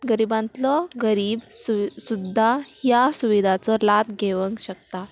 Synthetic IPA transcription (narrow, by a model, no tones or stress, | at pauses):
ɡəɾibãnt̪lɔɡəɾiːbssud̪ʱːahjasuʋid̪ʱat͡sɔlabɡʱeʋəŋkɕək̚t̪a